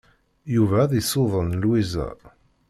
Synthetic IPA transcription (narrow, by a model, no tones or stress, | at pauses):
juvæðisoðˤənlwizæ̰